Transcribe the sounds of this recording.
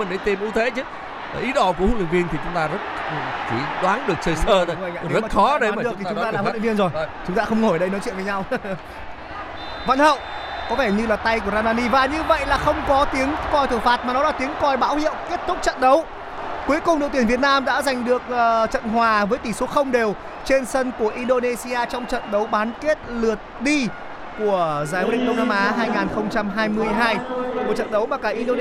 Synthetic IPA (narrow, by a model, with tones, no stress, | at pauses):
ə˨˩nɗə˨˦jt̪e˧˩mʔu˧˦t̪ʰe˧˦t͡ɕɨ˨˦˨ | ʔi˨˦ɗɔ˧˩k̬u˧˩əhu˨˦˥nlḭ˧˨ŋvi˧ənt̪ʰi˨˩t͡ɕʊ˨˦ŋ͡mt̪aː˧zə˦˥t̚ki˧˩˦ɗwaː˨˦nɗɨ˨˩ək̚t͡ɕəː˧˩jsəː˧˨˧ə˧˨a̰˧˨ɗzaː˨xɔ˨˦ɗe˨˦˨aː˨ɗɨ˨˩˦ʊ˦˧ŋ͡m̪aː˧lːl̰vənzo˨˩jt͡ɕʊ˨˦ŋ͡mt̪aː˧xə˧wŋ͡mŋo˧˩jɗə˧jnɔ˨˦jt͡ɕw̰ə˨və˨˦ɲa˧w | və̰˧˨nhə̰˧˨wʔ | kɔ˨˦vɛ˧˩ɲɨ˧laː˨˩t̪a˧jku˧˩ə˩zaː˧maː˧ni˧vaː˨˩ɲɨ˧və̰˧˨jlaː˨˩xə˧wŋ͡mkɔ˨˦t̪i˨˦əŋkɔ˧jt̪ʰɨ˧˩faː˨˦˩t̚maː˨˩nɔ˨˦laː˨˩t̪i˨˦əŋkɔ˧jɓa̰ː˧˥whḭ˧˨əwki˦˥ət̚t̪ʊ˦˥k͡p̚t͡ɕə̰˧˨nɗə˨˦w | ku˨˦əjkʊ˨˩ŋ͡mɗə̰˧˨t̪i˧˩vi˨˩ət̚naː˧mɗa̰ː˧˥za˨˩jŋ̟ɗɨ˨˩ək̚ʔːt͡ɕə̰˧˨nɦwaː˨˩vəː˨˦jt̪i˧˩so˨˦t̚xə˧wŋ͡mɗe˨˩w | t͡ɕe˧nsə˧nku˧˩əʔi˧nɗo˧ne˧si˧aː˧t͡ɕɔ˧wŋ͡mt͡ɕə̰˧˨nɗə˨˦wɓaː˨˦nke˦˥t̚lɨ˨˩ət̚ɗi˧ | ku˧˩əzaː˨˦jɗḭ˧˨ŋ̟ɗə˧wŋ͡mnaː˧mʔaː˨˦ɦaː˧jŋaː˨˩nxə˧wŋ͡mt͡ɕa˧mɦaː˧jmɨ˧əjɦaː˧jmo˨˩t͡ɕə̰˧˨nɗə˨˦wmaː˨˩kaː˧˩ʔi˧ɗo˧